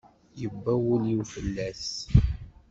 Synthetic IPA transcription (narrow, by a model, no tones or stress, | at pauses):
jəbːæwəliwfəlːæθ